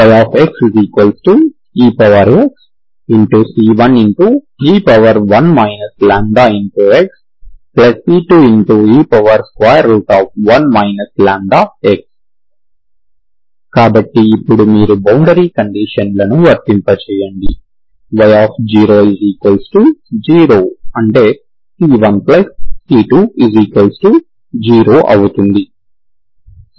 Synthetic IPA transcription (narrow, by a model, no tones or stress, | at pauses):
ʋɐjaːpʰeksziːkʋɐlsʈu | iːpɐʋɐɾeks | iɳʈusiːʋɐniɳʈu | iːpɐʋɐɾʋɐnmɐjnɐslaːɳd̪aːiɳʈueks | plɐsiːʈuːiɳʈuiːpɐʋɐɾskʋaːjɐɾːuːʈaːfʋɐnmɐjnɐslaːɳd̪aːeks | kaːbɐʈːiːpːuɽumiːɾubɐwɳɖɐɾiːkɐɳɖiːʃɐnlɐnuʋɐɾpːimpɐt͡ʃɛːjɐɳɖi | ʋɐjaːpʰd͡ʒiːɾoːiziːkɐlsʈud͡ʒiːɾoːɐɳʈe̞ː | siːʋɐnplɐspiːʈuːiziːkɐlsʈu | d͡ʒiːɾoːʔɐwut̪und̪i